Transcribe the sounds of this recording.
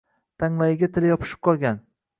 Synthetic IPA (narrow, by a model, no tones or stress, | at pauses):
t̪ʰaŋlajɪɡʲat̪ʰɪljɒpʰɪ̥ʃɪ̥p̚qʰɒlˠɡʲan